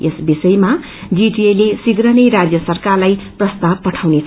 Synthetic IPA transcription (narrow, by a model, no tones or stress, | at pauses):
esbisʌjma | d͡ziʈielesiɡɾʌnʌjɾad͡zjʌsʌrkarlajprʌst̪ab̚pʌʈʰawnet͡sʰ